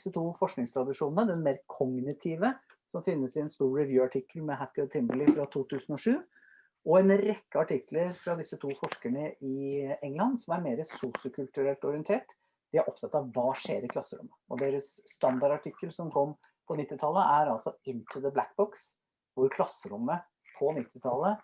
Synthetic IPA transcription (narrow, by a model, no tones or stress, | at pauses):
sət̪ʰuːfɔʂknɪŋst̪ʰɾɑd̪ɪʂuːnn̩əd̪ɛnmeːɾkʰɔŋnɪt̪ʰiːʋə | sɔmfɪnːəsɪɛnst̪uːɾɹɛʋjʉːɑʈʰɪkːəlmɛɦæt̪ːɪɔt̪ʰɪmbəlɪfɾɑt̪ʰuːt̪ʰʉːsn̩ɔʂʉː | ɔɛnɾɛkːəɑʈʰɪkləɾfɾɑd̪ɪsːət̪ʰuːfɔʂkəɳəɪɛŋlɑnsɔmæɾmeːɾəsuːsɪʊkʰʉlt̪ʉɾɛlt̪ɔɾɪənt̪ʰeːʈ | d̪̥ɪæɾʔɔpt̪ɑt̪ːɑʋʋɑːʂḛːɾɪklɑsːəɾʊ̰mːəʔɔ̰d̪eːɾəsːt̪ɑnd̪ɑɾɑʈʰɪkːəlsɔmkʰɔmː | pʰɔnɪt̪ːɪt̪ʰɑlːəʔæɾɑlsɔɪnt̪ʰʉðəblæk̚bɔks | ʋʊɾkʰlɑsːəɾʊmːə | pʰɔnɪt̪ːɪt̪ʰɑlːə